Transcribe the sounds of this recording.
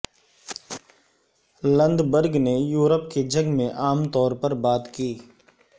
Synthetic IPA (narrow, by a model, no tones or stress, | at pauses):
lə̃nd̪bəɾɡnejuːɾəpked͡ʒə̃ɡmẽʔaːmt̪ɔːɾpɐɾbaːt̪kiː